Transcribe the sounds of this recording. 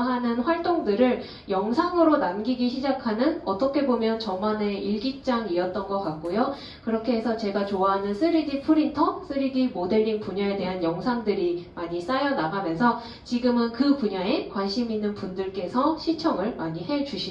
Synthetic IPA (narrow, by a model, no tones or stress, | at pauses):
ɦanɯnɸwaɭt͈oŋdɯɾɯɭ | jʌŋsʰaŋɯɾonamɡiɡiɕʰid͡ʑakʰanɯnʌt͈ʌkʰe̞bomjʌnt͡ɕʌmane̞iɭɡik̚t͡ɕ͈aŋiʌt̚t͈ʌnɡʌk͈ak̚k͈ojo | kɯɾʌkʰe̞ɦesʰʌt͡ɕe̞ɡat͡ɕoaɦanɯnsʰɯɾidipʰɯɾintʰʌsʰɯɾidimode̞ɾiŋpuɲae̞de̞ɦanjʌŋsʰaŋdɯɾimaɲis͈ajʌnaɡamjʌnsʰʌ | t͡ɕiɡɯmɯnkɯpuɲae̞kwanɕ͈ʰiminːɯnpundɯɭk͈e̞sʰʌɕʰit͡ɕʰʌŋɯɭmaɲiɦe̞d͡ʑuɕʰi